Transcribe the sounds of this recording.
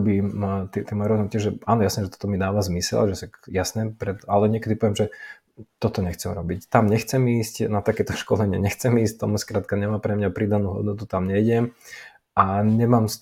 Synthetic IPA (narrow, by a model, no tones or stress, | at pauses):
biːmt̪ːt̪ɛmɔjɛɾɔzɦunt̪ɪaʒɛaːnɔjasnɛːʒɛt̪ɔ̥t̪ɔmid̪aːʋazmisɛ̰lʒɛsakjasnɛːpɾɛt̪alɛɲɪɛkɛd̪ipɔʋɛmʒɛ | t̪ɔt̪ɔɲɛxt͡sɛmɾɔbict̪amɲɛxt͡sɛmiːscnat̪akɛːt̪ɔʃkɔlɛɲɪɛ̰ɲɛxt͡sɛmiːsct̪ɔ̰mskɾaːt̪̚kaɲɛmaːmpɾɛmɲapɾid̪anuːɦɔ̰d̪nɔt̪ut̪amɲɛjɟɛm | aɲɛmaːms